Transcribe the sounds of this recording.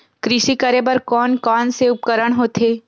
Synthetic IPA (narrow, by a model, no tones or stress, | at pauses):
kɾɪʃikɐɾebɐɾkɔːnkɔːnseʊp̚kəɾəɽ̃ɦoːt̪ʰeː